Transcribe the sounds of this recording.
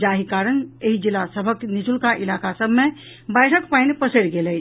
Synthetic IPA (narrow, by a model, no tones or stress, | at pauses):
d͡ʒaːɦikaːɾəneɦid͡ʒilasəbʱəknid͡ʒulkaʔilaːkasəbʱmẽ | bəjʈʰəkpaɪnpəsəɾɡelɛ